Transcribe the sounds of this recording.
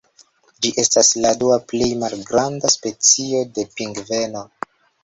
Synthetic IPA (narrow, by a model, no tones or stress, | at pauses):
d͡ʒiʔe̞stasladuaple̞jmalɡɾandaspe̞t͡sio̞de̞piŋɡve̞no̞